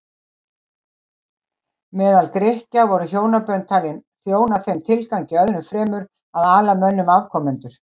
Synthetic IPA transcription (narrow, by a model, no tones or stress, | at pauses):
mɛːðalkɾɪhcavɔɾʏçjoːwnapœnt̪ʰaːlɪnθjoːwnaθejmt̪ʰɪlkawɲcɪœðnʏfɾɛːmʏɾ | aðaːlamœnːʏmavkʰɔmʏnt̪ʏɾ̥